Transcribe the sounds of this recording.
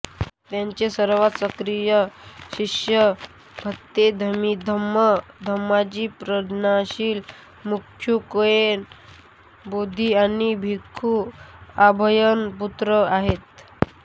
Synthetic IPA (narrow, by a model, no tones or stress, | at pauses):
t̪jãɲt͡ɕesəɾʋat̪səkɾijəɕiɕjə | bʱət̪ːed̪ʱəmid̪ʱəməd̪ʱəmːad͡ʑiːpɾəd̪naɕiːl | mukkʰjukojen | bod̪ʱiañibʱikʰːuabʱəjənput̪ɾəaɦet̪̚